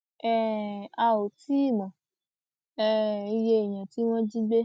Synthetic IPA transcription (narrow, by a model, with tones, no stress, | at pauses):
ɛ˦a˧˨o˨ti˦i˦˨mɔ̃˨ | ɛ˦i˧je˧e˨j̃ã˨ti˨˦w̃ɔ̃˦d͡ʒi˦ɡ͡be˦